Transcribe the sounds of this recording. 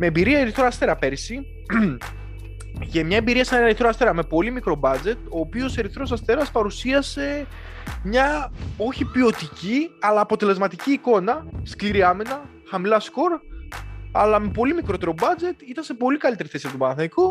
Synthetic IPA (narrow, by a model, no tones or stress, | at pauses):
me̞ːbiɾiɐeɾiθɾoɐst̪e̞ɾɐpe̞ɾisi | ʝɐmɲɐembiɾiɐsɐnenɐɾiθɾoɐst̪e̞ɾɐme̞po̞limikɾo̞bɐd͡ze̞t̪o̞ːpio̞se̞ɾiθɾo̞sɐst̪e̞ɾɐspɐɾusiɐse̞ | mɲɐo̞çipio̞t̪iciɐlɐːpo̞t̪e̞le̞zmɐt̪iciːko̞nɐskliɾiɐminɐ | xɐmilɐsko̞ɾ | ɐlɐme̞po̞limikɾo̞t̪e̞ɾo̞bɐd͡ze̞t̪it̪ɐnsepo̞likɐlit̪e̞ɾiθe̞siɐt̪umɐɐθɐjku